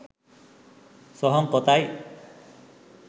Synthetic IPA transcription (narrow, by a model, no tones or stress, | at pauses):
sɔɦɔŋkɔt̪aj